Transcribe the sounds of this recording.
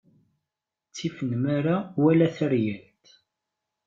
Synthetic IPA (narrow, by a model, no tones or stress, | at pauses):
t͡sːifənmaɾawælæθəɾjəlt̪